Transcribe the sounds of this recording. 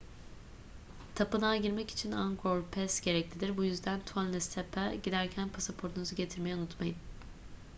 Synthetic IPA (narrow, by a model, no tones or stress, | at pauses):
t̪ʰapɯnaɟiɾmɛci̥t͡ʃʰinaŋkʰoɾpʰɛsɟe̞ɾɛclʲid̪iɾbujyzd̪ænt̪ʰanlɛst̪ʰɛpʰaɟid̪æɾcʰænpʰasapʰo̞ɾt̪ʰunuzɯɟe̞t̪ʰiɾme̞jɛunut̪majɯn